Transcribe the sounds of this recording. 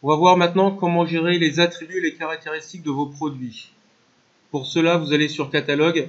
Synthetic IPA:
ɔ̃vavwaʁmɛ̃t̪nɑ̃kɔmɑ̃ʒeʁelezat̪χibɥelekaʁak̚t̪eʁist̪ik̚d̪əvopχɔd̪ɥi | puʁsəlavuzalesyʁkat̪alɔɡ

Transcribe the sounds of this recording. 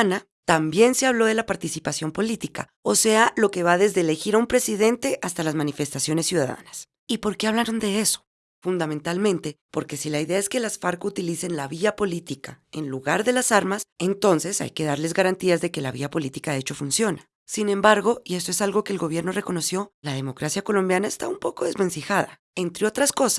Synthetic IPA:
na | t̪ambje̞nse̞aβlo̞ðe̞lapaɾt̪isipasjo̞mpo̞lit̪ika̰ | o̞se̞alo̞ke̞βaðe̞zðe̞ːle̞xiɾaumpɾe̞siðe̞nt̪e̞ʔast̪alazmanife̞st̪asjo̞ne̞sːjuðaða̰nas | ipo̞ɾke̞aβlaɾond̪e̞eso̥ | fund̪ament̪almẽnt̪e̞po̞ɾke̞silaiðe̞ae̞ske̞lasfaɾkut̪ilise̞nlaβiapo̞lit̪ikae̞nluɣaɾðe̞lasaɾmase̞nt̪o̞nse̞sa̰jke̞ðaɾle̞zɣaɾant̪iazðe̞ke̞laβḭapo̞lit̪ikaet͡ʃo̞funsjo̞na | sine̞mbaɾɣo̞iest̪oesalɣo̞ke̞ːlɡo̞β̞je̞ɾno̞re̞kono̞sjo̞lað̞e̞mo̞kɾasjako̞lo̞mbjanaest̪a̰umpo̞ko̞ðe̞zme̞nsixaða | e̞nt̪ɾe̞o̞t̪ɾasko̞sa

